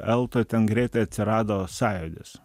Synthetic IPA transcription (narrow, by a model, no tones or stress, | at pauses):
ɛlˠt̪ot̪ʲɛnɡɾʲɛɪt̪ɐɪɐt̪ʲsʲɪɾɑːd̪oːsɑːjod̪ʲɪs